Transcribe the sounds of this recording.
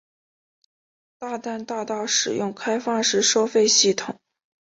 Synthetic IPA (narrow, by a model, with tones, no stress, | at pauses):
t̪a˥˧t̪a˥˧nt̪ɑ˥˧ʊt̪ɑ˥˩ʊʂɻ̩˨˩jʊ˥˩ŋkʰa˥ɪfɑ˥˩ŋʂɻ̩˧˥ʂo˥ʊfe˥˧ɪɕi˥˩t̪ʰʊ˨˩˦ŋ